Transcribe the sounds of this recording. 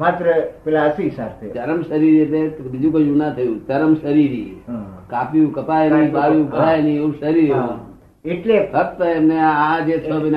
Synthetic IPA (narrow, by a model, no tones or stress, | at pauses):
mat̪ɾəpelaəsisaɾt̪ʰet̪əɾəmʃəɾiɾiet̪ebid͡ʒũkəjũnat̪ʰəjũt͡ʃ̪əɾəmʃəɾiɾikapjũkəpajnĩpaʋjũɡʱəɭajniũʃəɾiɾeũ | eʈlesəp̚t̪əemneaad͡ʒesəbn